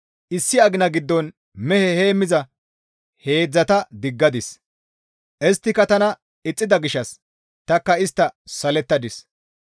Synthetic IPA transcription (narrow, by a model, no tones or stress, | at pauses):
ʔɪsːɪɐɡɪnɐɡɪd̪ːɔn | mɛhɛhe̞ːmːɪzɐ | he̞ːd͡zːɐt̪ɐd̪ɪɡːɐd̪ɪs | ʔɛst̪ːɪkːɐt̪ɐnɐ | ɪt͡sʼːɪd̪ɐɡɪʃɐs | t̪ɐkːɐɪst̪ːɐsɐlɛt̪ːɐd̪ɪs